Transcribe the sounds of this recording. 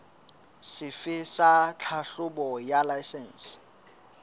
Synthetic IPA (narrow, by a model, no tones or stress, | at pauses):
sɪfɪsat͡ɬʰaɬʊbɔjalajsɛn̩s